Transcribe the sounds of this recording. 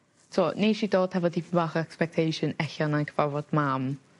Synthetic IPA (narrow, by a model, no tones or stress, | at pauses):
tʰɔniʃidoːd̥hɛvɔdibaχɔɛkspɛk̚tʰejʃənɛɬanankʰəvavɔd̥mam